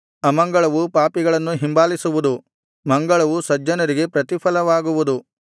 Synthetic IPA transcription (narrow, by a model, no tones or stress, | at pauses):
ɐmɐŋɡɐɭɐʋupaːpiɡɐɭɐnːuɦimbaːlisuʋud̪u | mɐŋɡɐɭɐʋusɐd͡ʒːɐnɐɾiɡe̞pɾɐt̪ipʰɐlɐʋaːɡuʋud̪u